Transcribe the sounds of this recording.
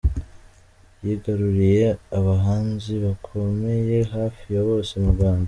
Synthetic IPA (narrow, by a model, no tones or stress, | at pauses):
jiːɡaɾuɾije̞aβaɦaːnziβakʰo̞me̞je̞ɦaːfijaβo̞ːsemuɡwaːnda